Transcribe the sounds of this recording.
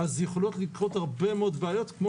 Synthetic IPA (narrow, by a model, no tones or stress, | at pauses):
azjeχolot̪likʁot̪haʁbemeod̪baajot̪kmo